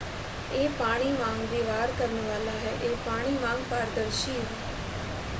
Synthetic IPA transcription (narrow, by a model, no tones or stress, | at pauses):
eːpaːɽ̃iːmãːŋɡʋiːʋaːɾkəɾənʋaːlaːɦɛːʔeːpaːɽ̃iːmãːŋɡpaːɾd̪əɾʃiːɦɛː